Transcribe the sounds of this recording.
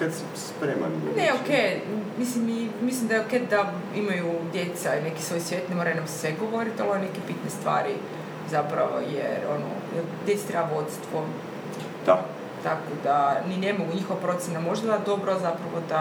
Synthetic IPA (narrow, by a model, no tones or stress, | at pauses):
kat̪s | spɾeːma̰nneokejmislimimislimd̪aked̪̚d̪a | imajud̪je̞t̪saine̞ki̥sʋo̞jsʋje̞t̪nemo̞ɾajunamssʋeɡoʋo̞ɾit̪alone̞kepit̪nest̪ʋa̰ːɾḭ | zapɾa̰ʋo̰jḛɾono̰ | d̪ʲje̞t̪se̥t̪ɾebao̞d̪si̥t̪ʋo | d̪̥a | t̪akod̪anine̞mo̞ɡuɲixoʋapɾo̞t̪sʲjenamo̞ʒd̪ad̪ad̪o̞bɾozapɾaʋo̞d̪a